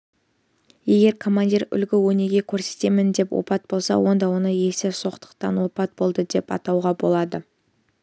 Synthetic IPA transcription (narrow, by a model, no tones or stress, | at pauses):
je̞ɡʲe̞ɾkʰo̞mand̪ʲiɾʏ̰lɡʲɪwɵne̞ɡʲe̞kʲʰɵɾse̞̥t̪e̞mɪnd̪e̞pwʔo̞̰pɑt̪̚bo̞lˠsɑ̰wo̞nd̪ɑwo̞nəje̞sɪso̞qt̪ə̥qt̪ɑ̰nwo̞pɑt̪̚bo̞lˠd̪əd̪e̞pɑ̰t̪ɑwʁɑbo̞lˠɑd̪ə